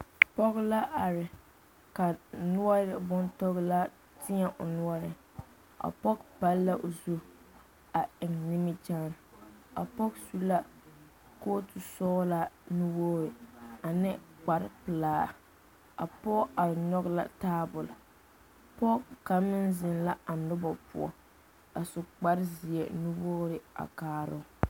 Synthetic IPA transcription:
pɔ˦ɣla˦ʔa˨ɾɪ˨ | ka˨nʊ˦ɔ˦ɾɪ˨bʊ˦ntɔ˦ɣla˦ | tʰɪ˦ɛ˦ʔʊ̰˨nʊ˦ɔ˦ɾɪ˨ | a̰˨pɔ˦kpa˦lla˦ʔo˨zu˦ | a˨ʔɪ˨ŋnɪ˦mi˦t͡ʃaː˦n˨ | a̰˨pɔ˦ksu˦la˦ | ko˦tʊ˨sɔː˦la˦nu˦woː˦ɾɪ˨a˨nɪ˦k͡pa˨ɾpɨ˨laː˦ | a̰˨pɔ˦a˨ɲɔ˦kla̰˦taː˦bʊ˨l | pɔ˦kka˨mɪ˦nzɪ˨nla˦a˨nʊ˦bɔ˨pʊ̰˦ɔ̰˨ | a˨sʊ˨k͡pa˦ɾzi˨ɛ˨nu˦woː˦ɾɪ˨a̰˨kaː˦ɾʊ˦

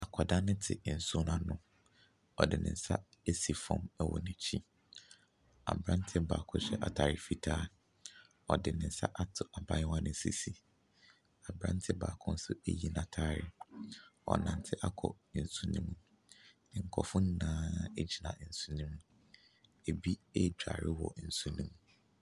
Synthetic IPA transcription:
a˨kʰɔ˨da˦nɪ̃˦tʰɪ̰˨n̩˨su˦nã˨nʊ̃˦ | ɔ˨dɪ̰˨nɪ̰̃˨n̩˦sa˦e˦si˨fɔ̃˨mɛ˦wɔ̰˨nɪ̃˨t͡ɕʰĩ˦ | a̰˨bɾã˦n̩˦tʰɪ˦ba̰ː˨kʰʊ˦ɕᶣɛ˦ʔa˨tʰaː˨ɾɪ˨fi˦tʰaː˦˨ | ɔ˨dɪ˨nɪ̃˨n̩˦sa̰˦ʔa˦tʰʊ˨ʔa˨ba˦ɪ˦wã˦nɪ̃˦sḭ˦si˨ | a˨bɾã̰˦n˦tʰɪ˦baː˨kʰʊ̃˦n̩˦sʊ˦ḛ˦ji˦nã˨tʰaː˦ɾɪ˨ | ɔ̰˨nã˨n˨tʰɪ˦ʔa˦kʰɔ̰˨ | n̩˨su˦nĩ˦mũ˨ | ɪ˨ŋ̩˨kʰɔ˨fʊ̃˦n˦nãː˦ɛ˦d͡ʑi˨nã̰˨n̩˨su˦nĩ˦m˦ | e˨bi˦e˦˨d͡ʑᶣa̰˨ɾɪ˦wɔ̰˨n̩˨su˦nĩ˦m˦

